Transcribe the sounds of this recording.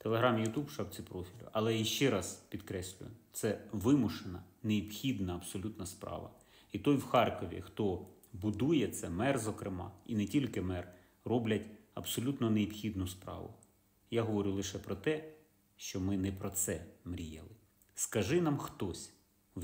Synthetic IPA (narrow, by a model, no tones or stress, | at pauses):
t̪elˠeɦɾɑmjʊt̪ubʃɑwt͡sʲipɾɔfʲilʲʊ̰ʔɐlˠɛjiʃt͡ʃɛɾɑzpʲid̪kɾɛsʲlʲʊ̰jʊt̪sɛʋɪmʊʃenɐneipxʲid̪nɐɐbsɔlʲut̪nɐspɾɑ̰ʋɐ̰ | it̪ɔjwxɑrkɔʋʲḭxt̪ɔ | bʊd̪ujɛt̪sɛmɛrzɔkɾɪmɑ̰inɛtʲilʲkɪmɛr | rɔblʲɐtʲɐbsɔlʲut̪nɔneɔbxʲid̪nʊspɾɑ̰ʋʊ̰ | jaɦɔʋɔɾʲulˠɪʃɛpɾɔt̪ɛ | ʃt͡ʃɔmɪnɛpɾɔt̪sɛmɾʲijɛ̰lˠɪ | skɐʒɪnɑmxt̪ɔsʲ | w